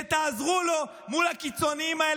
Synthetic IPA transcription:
et̪aːzʁulo̞ | mulakit͡so̞niimae

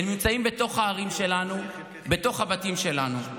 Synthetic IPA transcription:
enmimt͡saimbet̪o̞χhaːʁimʃelanu | be̞to̞χhabatimʃe̞lanu

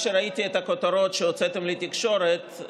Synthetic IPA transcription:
ʃeɾait̪iet̪ɐkot̪aɾo̞t̪ʃeot͡set̪emlit̪ikʃo̞ɾet̪

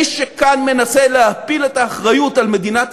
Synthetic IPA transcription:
ʃekanme̞naseleapiletaːχʁajutalme̞dinat

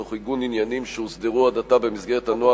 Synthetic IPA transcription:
oχiɡuninjanimʃeusd̪eʁuad̪at̪abe̞misɡe̞ʁet̪hanoa

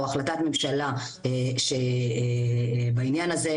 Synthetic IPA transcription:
aχlat̪at̪memʃala | eʃe | bainjanaze

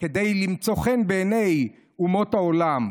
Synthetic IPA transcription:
ked̪ejlimt͡so̞χenbeːnej | umo̞t̪haolam

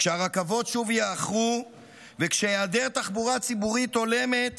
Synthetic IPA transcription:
kʃeaʁakavo̞tʃuvjeːχʁu | vekʃejeadeʁt̪aχbuʁat͡sibuʁit̪o̞le̞me̞t̪

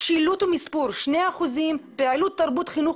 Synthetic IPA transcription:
ʃilut̪umispuɾʃneaaχuzimpealut̪ːaɾbut̪χinu

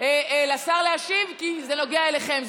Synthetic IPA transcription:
elasaʁleaʃivkizeno̞ɡeaeleχemz

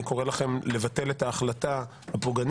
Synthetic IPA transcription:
iko̞ʁelaχe̞mle̞vate̞letaːχlata | hapoɡan

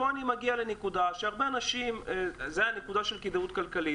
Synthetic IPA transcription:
oanimaɡialenekud̪aʃeaʁbeanaʃimzejanekud̪aʃelkid̪eut̪kalkali

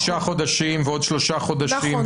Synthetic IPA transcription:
ʃaχod̪aʃimveod̪ʃloʃaχod̪aʃim

